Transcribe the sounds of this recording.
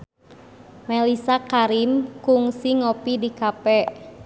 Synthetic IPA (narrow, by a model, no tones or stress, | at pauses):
melisakaɾimkuŋsiŋopidikapɛʔ